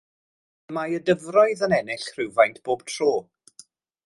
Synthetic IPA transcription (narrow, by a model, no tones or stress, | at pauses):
majədəvrɔɨðənɛnɪɬr̥ɪwvajntʰb̥oːb̥tʰr̥oː